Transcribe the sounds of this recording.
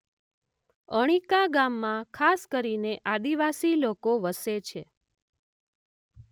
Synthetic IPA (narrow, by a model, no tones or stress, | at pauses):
əɽ̃ikaɡamːãkʰaskəɾineʔad̪iʋasilokoʋəset͡ʃʰe